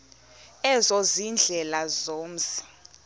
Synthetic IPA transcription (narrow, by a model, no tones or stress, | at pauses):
ɛzɔzind͡ɮʱɛlazoːm̩si̥